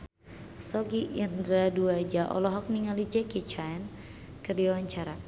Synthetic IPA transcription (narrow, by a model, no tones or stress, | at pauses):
sɔɡiʔindɾaduad͡ʒaʔɔ̰lɔɦɔk̚niŋalid͡ʒɛkit͡ʃaɛn | kərdiawaɲt͡ʃaɾa